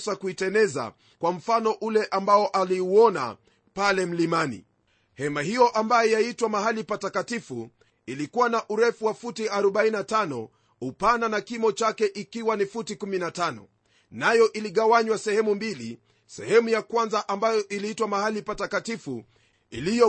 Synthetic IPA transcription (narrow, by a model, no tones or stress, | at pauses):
sakuitɛnɛza̰ | kwam̩fanɔʔulɛʔambaɔʔaliuɔna̰ | palɛm̩limanḭ | hɛmahijɔʔambajɔjaitwamaɦalipatakatifṵ | ilikuwanaʔuɾɛfuwafutiaɾɔɓaininatanɔ | upananakimɔt͡ʃakɛʔikiwanifutikuminatanɔ̰ | najɔʔiliɠawaɲwasɛhɛmumbilḭ | sɛ̰hɛmujakwanzaʔambajɔʔiliitwamahalipatakatifṵ | ḭlijɔ